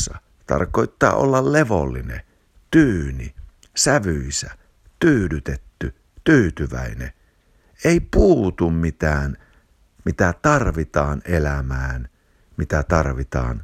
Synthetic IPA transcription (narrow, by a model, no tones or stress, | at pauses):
ɑ | t̪ɑ̰rkoˑit̪ːɑ̰ːʔo̰lːɑlleʋo̰lːinḛ | t̪yːni | sæʋyisæ | t̪yːlyt̪et̪ːy | t̪yːt̪yʋæ̰inḛ | eˑipuːt̪ummit̪æːn | mit̪æt̪ɑrʋit̪ɑːnʔelæmæːn | mit̪æt̪ɑrʋit̪ɑ̰ːn